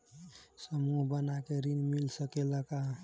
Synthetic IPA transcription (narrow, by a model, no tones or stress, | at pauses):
səmuɦbənakeɾinmilsəkeləka